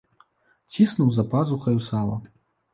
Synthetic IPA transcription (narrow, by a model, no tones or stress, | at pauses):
t͡sʲisnuwzɐpazuxɐjusalˠɐ̰